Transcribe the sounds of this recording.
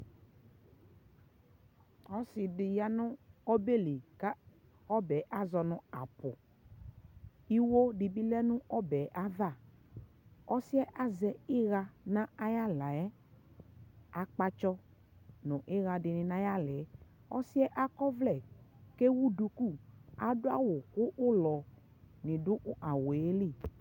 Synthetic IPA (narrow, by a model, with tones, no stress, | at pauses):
ɔ˦sɪ˨dɪ˨ja˦nʊ̃˦ɔ˦be˦˨li˨ka˦ | ɔ˦bɛ˨˦ʔa˨zɔ˨nʊ̃˨a˨pʊ˨ | i˦wo˦di˨bi˦lɛ˦nʊ̃˦ɔ˦bɛ˨ʔa˦ða˦˨ | ɔ˦sɪ˦ɛ˦ʔa˦zɛ˨ɪ˦ɣa˧nã˦a˦ja˦la˨ɛ˦ | a˨k͡pa˧t͡ʃɔ˦ | nʊ̃˨ʔɪ˦ɣa˨dɪ˨nɪ̃˨nã˦ja˦lɛ˨˦ | ɔ̰˦sɪ˦ɛ˦ʔa˦kɔ˦vlɛ˨ke˦wu˦du˧ku˦˨a˨dʊ˦a̰˦wʊ˨kʊ˦ʔʊ˦lɔ˨ | nɪ̃˨dʊ˦ʔʔa˨wo˨e˦li˦˨